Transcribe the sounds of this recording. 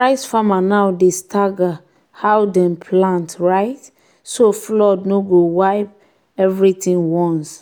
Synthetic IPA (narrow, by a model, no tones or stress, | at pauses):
pɹaɪsfamanawdestʰaɡa | hawdɛ̃mpʰlãntɹaɪt | soflɔdnoɡowaɪp̚ | ɛvɹitĩŋwɔ̃ns